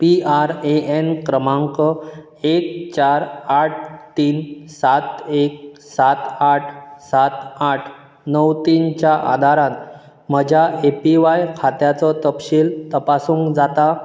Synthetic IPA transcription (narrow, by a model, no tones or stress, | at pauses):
piaɾeenkɾəmãŋkə | ek̚t͡ɕaɾaʈ̚ʰt̪iːnsat̪ek̚sat̪aʈʰsat̪aʈʰ | nəwt̪int͡ɕjaʔa̰d̪ʱaɾãt̪ | m̤əd͡ʑʱjaʔepiʋajkʰat̪jat͡sɔt̪əpɕiːlt̪əpasũːŋkd͡zat̪a